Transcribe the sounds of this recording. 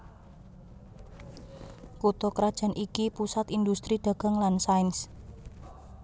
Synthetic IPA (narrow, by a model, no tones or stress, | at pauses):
kut̪ɔkɾad̥ʒ̥a̤nʔikipusat̪ind̪ust̪ɾiɖ̪̥a̤ɡ̥a̤ŋlansains